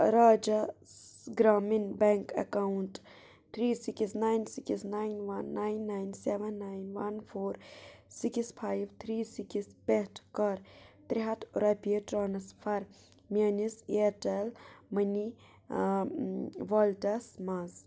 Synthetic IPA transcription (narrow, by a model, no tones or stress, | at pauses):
ɾaːd͡ʒɐsɡɾaːminbɛŋkɐ̰kawuɳʈ | t̪ʰɾiːsikisnajnsikisnajnʋɐnːajnːajnseʋɐnːajnʋɐnpʰoːɾsikispʰaːjʋt̪ʰɾiːsikispeʈʰkɐɾt̪ɾiɦɐt̪ʰɾɐpiʈɾaːnɐspʰɐɾ | meniseʈɐlməni | ʋɔlʈɐsmaz